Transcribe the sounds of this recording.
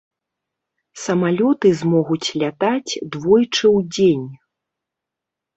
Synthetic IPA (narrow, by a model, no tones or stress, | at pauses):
sɐmalʲɔt̪ɨzmɔɣut͡sʲlʲat̪at͡sʲd̪vɔjt͡ʂɨwd͡zʲenʲ